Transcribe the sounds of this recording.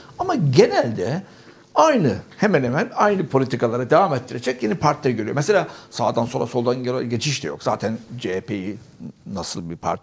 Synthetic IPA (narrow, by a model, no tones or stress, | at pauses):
amaɟe̞nælʲd̪ɛ | ajnɯhe̞mænemænajnɯpʰo̞lʲit̪ʰikalˠaɾad̪evaːmet̪ːiɾe̞d͡ʒɛcjinɛpʰaɾt̪lʲɛɟøɾyjo̞mese̞lʲaːsaːd̪ansonɾaso̞lˠd̪anɟe̞t͡ʃʰiʃd̪ɛjo̞̰kz̥a̰ːt̪ʰænd͡ʒepʰejinasɯlˠbipʰa̰ɾt̪